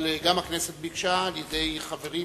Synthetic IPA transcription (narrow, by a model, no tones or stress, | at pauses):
lɡamakneset̪̚bikʃaːljede̞jχave̞ʁi